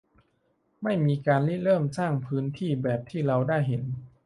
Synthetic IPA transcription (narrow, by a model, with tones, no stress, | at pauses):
ma˥˩jmiː˧kaː˧nli˦˥lɤː˥˩msaː˥˩ŋpʰɯː˦˥nt̪ʰiː˥˩bɛː˨˩p̚t̪ʰiː˥˩ɾa˧wdaː˥˩jɦe˩˦n